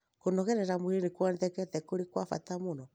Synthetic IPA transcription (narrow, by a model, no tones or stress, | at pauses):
konɔɣɛɾɛɾamuɾenekwɔndɛkɛtɛkoɾekwafa̰tamonɔ